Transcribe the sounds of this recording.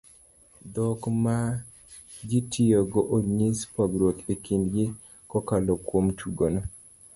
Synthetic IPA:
d̪ɔkma | d͡ʒitʰijoɡɔʔoɲispaɡɾot̪ekindɡɪ | kɔkalokwomtʰuɡonɔ

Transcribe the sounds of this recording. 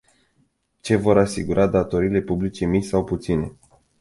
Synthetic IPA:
t͡ʃe̞vo̞ɾasiɡuɾʔad̪at̪o̞ɾiːle̞publit͡ʃe̞misawput̪sine̞̰

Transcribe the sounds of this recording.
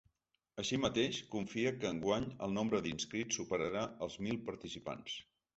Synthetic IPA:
əʃimət̪eʃkuɱfiəkəːŋɡwaɲə̰lˠnombɾəd̪inskɾitsupəɾəɾaəlˠzmilˠpəɾt̪isipa̰ns

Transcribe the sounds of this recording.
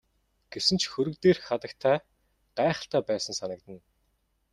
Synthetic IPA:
ɡ̥esɘ̆nt͡ɕxɵɾɵ̆kt̪eːrxat̪ə̆kt̪ʰæː | ɢ̥æːχə̆ɬt̪ʰæːpæːsə̆nsanə̆k̚t̪ə̆n

